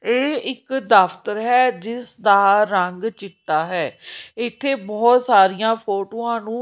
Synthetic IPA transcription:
eːɪkd̪əft̪əɾɦɛːd͡ʒɪsd̪aːɾəŋɡt͡ʃɪʈːaːɦɛːɪt̪ʰːeːbɔːt̪saːɾijãːpʰoːʈoːãːnũː

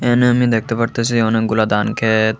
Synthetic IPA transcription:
eneəmid̪ek̚ʰt̪epəɾt̪asʰioneɡulad̪ankʰe

